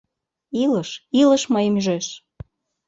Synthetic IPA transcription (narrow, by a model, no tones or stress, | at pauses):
iləʃilə̆ʃməjəmyʒeʃ